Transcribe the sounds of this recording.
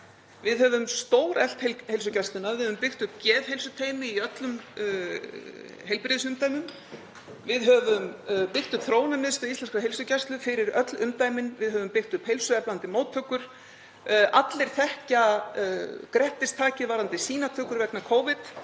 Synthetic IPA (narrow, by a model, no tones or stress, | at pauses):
vɪðɦœvʏmst̪oːwɾɛl̥t̪heheɪlsʏcajst̪ʏnːavɪðhœvʏmpɪxt̪ʏpcɛːðhejlsʏt̪ʰeːjmɪiœt̪lʏm | ɦejlpɾɪðsʏmt̪ajmʏm | vɪðɦœvʏmpɪxt̪ʏpθɾoːwnamɪðst̪aðist̪ɛnskaɦelsʏcajst̪lʏfɪɾɪɾœt̪lʏmt̪aːjmɪnvɪðɦœvʏmpɪxt̪ʏphejlsʏɛplant̪ɪmoːwt̪ʰœkːʏɾ̥ | ʔat̪lɪɾ̥θɛhca | kɾɛht̪ɪst̪ʰaːcɪðvaːɾant̪ɪsiːnat̪ʰœːkʏɾvɛknakʰoːwvɪt̪